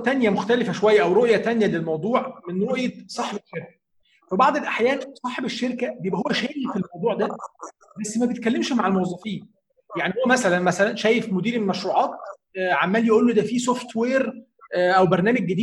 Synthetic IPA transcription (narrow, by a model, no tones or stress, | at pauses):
t̪ænjæmoxt̪ælefæʃowæjːæʔæwɾoʔjæt̪ænjælelmɑwd̪ˤuːʕmenɾoʔjet̪sˤɑːħebeʃːeɾkæ̥ | fæbɑʕd̪ˤelʔaħjæːnsˤɑːħebeʃːeɾkæbejebʔæhowːæʃæːjefelmɑwd̪ˤuːʕd̪æ | bæsːmæbet̪̚kælːemʃmaʕalmowɑzˤːɑfiːn | jaʕnihowːæmæsælænmæsælænʃæːjefmod̪iːɾelmæʃɾuːʕɑːt̪̚ | ʕamːæːljoʔuːlːod̪æfisoft̪weːɾ | ʔæwbeɾˤnæːmæɡ̚ːæd̪iː